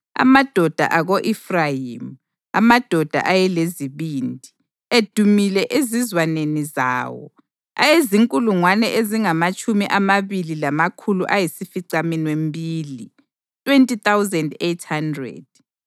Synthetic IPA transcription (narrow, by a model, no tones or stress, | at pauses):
a̰mad̥ʱɔd̥ʱa̰ʔaɣoʔifrajim | amad̥ʱɔd̥ʱa̰ʔajɛleziβiːndʱi | ed̥ʱumilɛʔezizwaneniza̰ːwɔ̰ | a̰jeziŋkʼuluŋwanɛʔeziŋamat͡ʃʼumiʔamaβililamakʰuluʔajisifiǀaminwembʱiːli | tʼwentʼit̪awzɛndetʰhandrɛ̰d̥̚